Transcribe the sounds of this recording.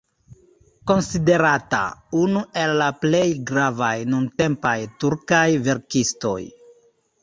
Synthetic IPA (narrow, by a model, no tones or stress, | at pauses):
ko̞nside̞ɾata̰unue̞lːaple̞jɡɾavajnunte̞mpajtuɾkajve̞ɾkisto̞̰j